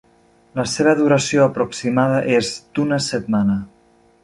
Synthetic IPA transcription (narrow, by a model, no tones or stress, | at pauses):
ləseβ̞əðuɾəsioəpɾuksimað̞əʔezd̪̥unəsət̪̚manə